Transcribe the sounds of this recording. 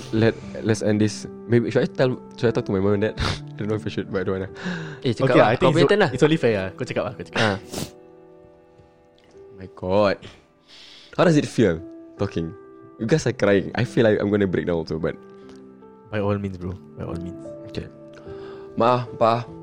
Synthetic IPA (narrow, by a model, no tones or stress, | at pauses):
lɛt̚lɛtsɛ̃ndis | mebiʃuajtɛl | ʃuajtɔk̚tumajmãmɛ̃ndɛt̚adõnːoifajʃut̚badowãnaet͡ʃəkaajtɔt̪ə̃nlahisõnlifɛakot͡ʃəkap̚lahkot͡ʃə̥kaa | omajɡɔd̚ | haʊdɔsit̚filtɔkɪ̃ŋjuɡajsakɾajɪ̃ŋʔa̰jfilaɪka̰ɪj̃mɡonəbɹḛk̚nawɔlsoba̰t̚ | bajɔlmĩnsbɹobajɔ̰lmĩnsokḛ | maʔahpaa